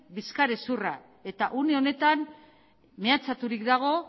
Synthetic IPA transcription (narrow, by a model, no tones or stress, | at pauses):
biskaɾesura | e̞t̪aʔuneo̞ne̞t̪an | me̞at͡sat̪uɾik̚d̪aɣ̞o̞